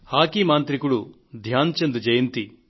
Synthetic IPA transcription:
haːkimaːnt̪ɾikuɽu | d̪ʱjaːnt͡ʃɐnd̪ud͡ʒɐjɐnt̪i

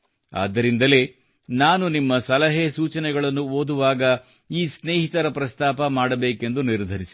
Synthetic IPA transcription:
a̰ːd̪ːɐɾind̪ɐle̞ː | naːnunimːɐsɐlɐɦesuːt͡ʃɐnɛɡɐɭɐnːuoːd̪uʋaːɡɐ | iːsneːɦit̪ɐɾɐpɾɐst̪aːpɐmaːɽɐbeːke̞nd̪uniɾd̪ʱɐɾisi̥

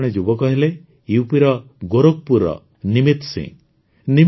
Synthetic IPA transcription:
ɽ̃ed͡ʒubɔkɔɦile | jupiɾɔ | ɡoɾok̚puɾɔ̰ | nimit̪sḭ̃ŋ | ni

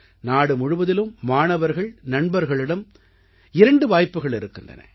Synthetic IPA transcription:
naːɽɯmʊɻʊʋɐðɪlɯmːaːɳɐʋɐɾɣɐɭnɐɳbɐɾɣɐɭɪɽɐm | ɪɾɐɳɖɯʋaːjpːɯɣɐɭɪɾɯkːɪndrɐ̰nɐ̰

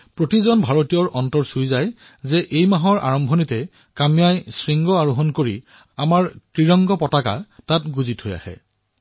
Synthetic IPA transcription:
pɹotizɔnbʱaɹotijɔɹʔɔntɔɹsujzaj | zɛʔejmaɦɔɹʔa̰ɹɔmbʱɔnitɛ | kamijajsɹiŋɡɔaɹuɦɔnkoɹi | amaɹkɹiɹɔŋɡɔpɔtaka̰tat̚ɡuzithoja̰hɛ̰

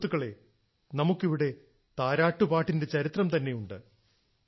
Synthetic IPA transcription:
t̪ːuɣɐɭe̞ | nɐmukːiʋiɽe̞ | t̪aːɾaːʈːupaːʈːinde̞t͡ɕɐɾit̪rɐmt̪ɐnːe̞juɳɖɨ̰

